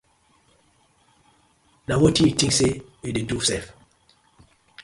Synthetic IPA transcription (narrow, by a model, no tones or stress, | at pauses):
nawɔtĩitĩŋkseidedusɛf